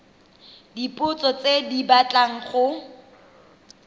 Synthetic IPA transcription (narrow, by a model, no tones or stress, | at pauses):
dipʼʊt͡sɔt͡sedibat͡ɬʼaŋ̩χʊ